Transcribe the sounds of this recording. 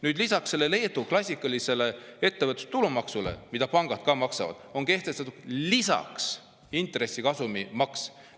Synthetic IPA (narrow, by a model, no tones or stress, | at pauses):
nyːd̪lisɑksːe̞lːe̞le̞ːd̪uklɑsʲikːˑɑlise̞le̞e̞t̪ːe̞vət̪ːˑu̥st̪ulumɑksule̞̰mid̪̥ɑpɑŋɡ̥ɑd̪̥̚kɑːmɑksɑ̰vɑ̰d̪̥o̞ŋke̞ht̪e̞st̪ɑt̪ːud̪̥lisɑ̰ks | int̪ˑre̞sːikɑsumimɑks